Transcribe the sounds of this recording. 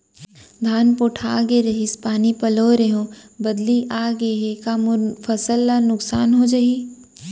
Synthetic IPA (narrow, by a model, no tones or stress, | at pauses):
d̪ʱaːnpoːʈʰa̰ːɡeɾɐɦɪspaːnipɐloːɾeɦõbɐd̪liʔaːɡeɦekamʊfɐsəlːanʊksaːnɦod͡ʒɐi